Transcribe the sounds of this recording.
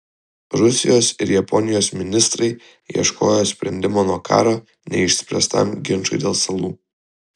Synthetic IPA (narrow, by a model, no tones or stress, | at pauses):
ɾʊsʲɪjoːsɪ̰ɾjɐpɔnʲɪjoːsmʲɪnʲɪst̪ɾɐɪ | iɛʃko̰ːjoːsʲpʲɾʲɛnʲd̪ʲɪmoːnuɔkʰɑ̰ːɾoː | nʲɛɪʃʲsʲpʲɾʲɛst̪ɐ̰mɡʲɪnt͡ʃʊ̰ɪd̪ʲeːlˠsɐlˠuː